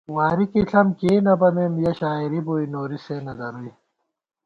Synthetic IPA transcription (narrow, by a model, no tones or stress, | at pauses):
waːɾikiɬɐmkiːnɐbɐmemjɐɕaːiɾiboːjnoːɾisenɐd̪ɐɾuj